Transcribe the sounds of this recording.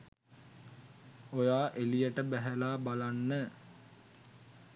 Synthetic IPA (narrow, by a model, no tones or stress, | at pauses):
ojaːʔelijəʈəbæɦælaːbalanːə